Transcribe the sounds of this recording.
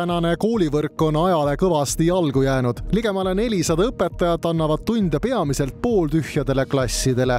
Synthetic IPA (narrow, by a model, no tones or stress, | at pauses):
ænɑne̞ko̞ːlʲivɤrkːˑo̞nɑjɑle̞kɤvɑst̪iɑlɡ̥ujæːnud̪̥liɡ̥e̞mɑlene̞lʲisɑd̪ɑɤpːˑe̞t̪ːˑɑjɑd̪̥ɑnːɑvɑd̪̥t̪unʲd̪̥epe̞ɑmise̞lt̪̚po̞ːlt̪yhjɑd̪̥e̞le̞klɑsʲːid̪e̞le̞